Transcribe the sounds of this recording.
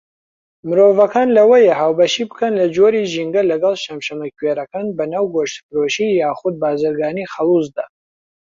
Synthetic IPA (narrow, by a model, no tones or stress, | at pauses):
mɨɾoːvɐkʰaːnlɐwɐjɛhaːwbɐʃibɨ̥kʰɐnlɐd͡ʒoɾiʒiŋɡɐlɐɡɐlˠʃɐmʃɐmɐkʰweɾɐkaːnbɐnaːwɡoʃt̪ɨpɾoːʃiːjaːxʊd̪̚baːzɨɾɡaːniːxɐlˠuzd̪a